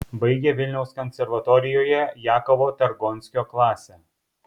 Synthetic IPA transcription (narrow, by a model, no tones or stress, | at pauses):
bɐɪɡʲeʋʲɪlʲnʲɛʊskɔnʲsʲɛɾʋɐt̪ɔɾʲɪjoːjɛjæːkoʋoːt̪ʲɐɾɡɔnʲsʲkʲoːklˠɑːsʲɛ